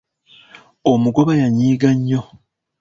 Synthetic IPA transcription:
omuɡo̞βajaɲiːɡaɲːo̞

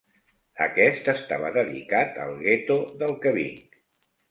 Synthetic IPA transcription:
ə̰kɛst̪əst̪aβəðəðḭkat̪ə̰lˠɣet̪oðəlˠkəβḭŋk

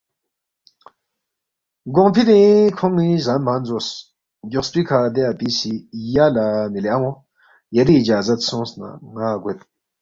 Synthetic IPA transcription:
ɡoŋpʰid̪ĩkʰɔmizanmanzos | ɟospikʰad̪eapisijalamileaŋɔ | jɐɾiːd͡ʒaːzɐt̪sõsna̰ŋaɡut̪̚

